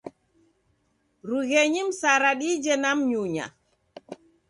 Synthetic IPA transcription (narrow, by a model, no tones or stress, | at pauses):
ɾuɣɛɲimsaɾaɗid͡ʒɛnamɲuɲa̰